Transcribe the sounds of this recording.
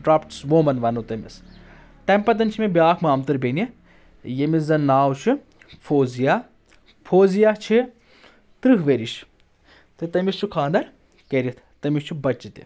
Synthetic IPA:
ʈɾapʈsʋoːmɐnʋɐnot̪ɐmḭs | t̪ɐmpɐt̪̬ɐnt͡ʃʰimʲebjaːkʰmaːmt̪ɨɾbenʲɐ | jemiszɐnaːwt͡ʃʰi | pʰoːzija | pʰoːzijaːt͡ʃʰi | t̪ɾɨɦʋeːɾiʃ | t̪ɨt̪ɐmist͡ʃʰukʰãːnd̪ɐɾ | keɾʲit̪ʰt̪ɐmʲist͡ʃʰibɐt͡ʃːit̪ḭ

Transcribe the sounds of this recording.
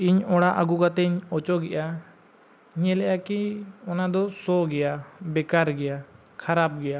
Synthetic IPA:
iɲɔɽaʔaɡuɡat̪ɛɲɔt͡ʃɔɡɛʔa | ɲɛlɛʔakiɔnad̪ɔsɔɡɛjabɛkaɾɡɛja | kʰaɾap̚ɡɛja

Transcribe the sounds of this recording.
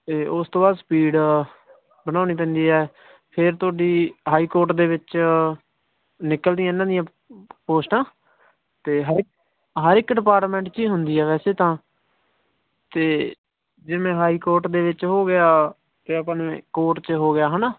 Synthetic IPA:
t̪eːʊst̪õːbaːd̪spiːɖ | bənaːniːp̬ɛ̃ːnd̪iːɦɛː | pʰɪɾt̪ʊaːɖiːɦaːiːkoːɾʈd̪eːʋɪt͡ʃ | nɪkəld̪ɪjãːɪnːãːd̪ɪjãː | poːsʈãː | t̪eːɦəɾ | ɦəɾɪkɖɪpaːɾʈmɛ̃ːɳʈt͡ʃiːɦʊnd̪iːɛːʋɛːseːt̪ãː | t̪eː | d͡ʒemẽːɦaːiːkoːɾʈd̪eːʋɪt͡ʃɦoːɡɪaː | t̪eːapːnẽkoːʈt͡ʃɦoːɡɪjaːɦənaː

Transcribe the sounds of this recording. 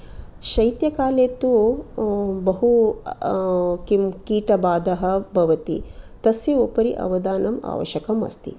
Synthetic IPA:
ʃɐjt̪jɐkaːleːt̪u | bɐɦu | kimkiːʈɐbaːd̪ɐɦɐ̆bʱɐʋɐt̪ḭt̪ɐsjɐopɐɾiʔɐ̰ʋɐd̪aːnɐma̰ːʋɐ̰ʃɐkɐmɐ̰st̪ḭ

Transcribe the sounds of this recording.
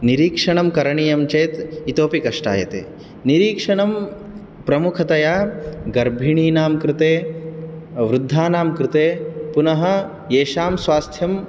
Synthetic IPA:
niɾiːkʂɐɳɐmkɐɾɐɳijɐmt͡ʃeːt̪it̪oːpikɐʂʈa̰ːjɐ̰t̪ḛː | niɾiːkʂɐɳɐm | pɾɐmukʰɐt̪ɐjaːɡɐɾbʱiɳiːnaːmkɾɪt̪eː | ʋɾud̪ʱːaːnaːmkɾɪt̪eːpunɐɦɐ̆ | eːʃaːmsʋaːst̪ʰjɐm

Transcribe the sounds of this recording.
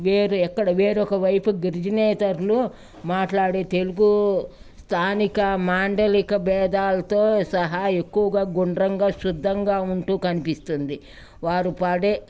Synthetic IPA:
ʋeːɾuɛkːɐɽɐʋeːɾɔkɐʋɐjpuɡiɾd͡ʒɐnɛːt̪ɐɾlu | maːʈlaːɽeːt̪e̞luɡust̪ʰaːnikɐmaːɳɖɐlikɐbɛːd̪aːlɐt̪o̞ːsɐɦɐe̞kːuʋɐɡaːɡuɳɖɾɐŋɡaːʃud̪ʱːɐŋɡaːuɳʈuːkɐnipist̪und̪i | ʋaːɾupaːɽeː

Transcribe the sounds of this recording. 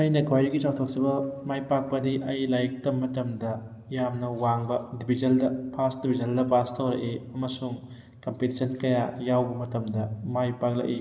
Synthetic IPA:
ɐjnɐkʰajɾiɡit͡ʃawtʰok̚sibɐmajpak̚pɐdiʔɐjlajk̚tɐmɐtɐmdɐ | jamnɐwaŋbɐdibʱizɐldɐpʰasdibʱizɐldɐpʰastʰɐwɾɐ̰ʔeɐmɐsuŋ | kɐmpetisʰɐnkɐjajawbɐmɐtɐmdɐmajpak̚lɐ̰k̚i

